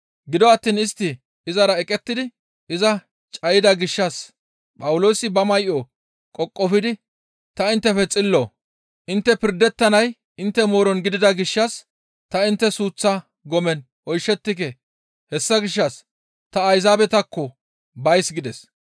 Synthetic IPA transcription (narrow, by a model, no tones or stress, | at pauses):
ɡɪd̪ɔɐt̪ːiːnɪst̪ːɪː | zɐɾɐɛkʼɛt̪ːɪd̪ɪ | ɪzɐ | t͡ʃʼɐjɪd̪ɐɡɪʃːɐs | pʼɐwʊloːsɪbɐmɐjʔɔ | kʼɔkʼːɔfɪd̪ɪ | t̪ɐɪnt̪ːɛfɛt͡sʼɪlːoː | ʔɪnt̪ːɛpɪɾd̪ɛt̪ːɐnɐj | ɪnt̪ːɛmo̞ːɾɔnɡɪd̪ɪd̪ɐɡɪʃːɐs | t̪ɐɪnt̪ːɛsuːt͡sːɐ | ɡɔmɛn | ɔjʃːɛt̪ːɪk̬ɛ | hɛsːɐɡɪʃ̬ːɐs | t̪ɐːjzaːbɛt̪ɐkːɔ | bɐjsɡɪd̪ɛs